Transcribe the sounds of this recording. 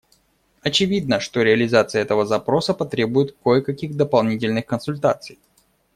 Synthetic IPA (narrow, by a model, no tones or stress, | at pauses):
ɐt͡ɕɪvʲid̪nəʂt̪o̞ɾʲɪɐlʲɪzat̪sɨjəɛt̪əvəzɐpɾo̞səpɐt̪ɾʲe̞bʊjɪt̪kojəkɐkʲiɣd̪əpɐlˠnʲitʲɪlʲnɨxkənsʊlʲt̪at̪sɨj